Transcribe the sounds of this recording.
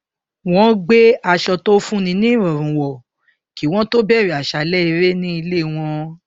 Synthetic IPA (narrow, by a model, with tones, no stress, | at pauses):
w̃ɔ̃˨˦ɡ͡be˦a˧ʃɔ˧to˦fũ˦nĩ˧nĩ˦ɾɔ˨ɾ̃ũ˨wɔ˨ | ki˨w̃ɔ̃˦to˦bɛ˦˨ɾi˨a˨ʃa˨lɛ˦i˧ɾe˦nĩ˦i˧le˦˨w̃ɔ̃˧